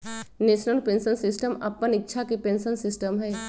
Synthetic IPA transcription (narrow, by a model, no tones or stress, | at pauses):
neːʃnəlpẽːnsənsɪsʈəmɐ̰pːənɪkːʃʰakipẽːnsənsɪsʈəmɦɛː